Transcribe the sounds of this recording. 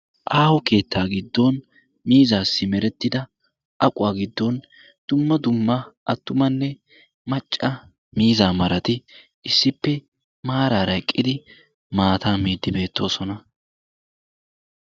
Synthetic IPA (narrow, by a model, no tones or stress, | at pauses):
ʔaːhɔke̞ːt̪ːaːɡɪd̪ːon | miːzaːsːɪmɛɾɛt̪ːɪd̪ɐ | ʔɐkʼʊwaːɡɪd̪ːon | d̪̥ʊmːɐd̪ʊmːɐʔɐt̪ːʊmɐnːɛ | mɐt͡ʃʼːɐ | miːzaːmɐɾɐt̪ɪ | ɪsːɪpːɛ | maːɾaːɾɐkʼːɪd̪ɪ | maːt̪ʰaːmeːd̪ːɪbe̞ːt̪ːo̞ːsɔnɐ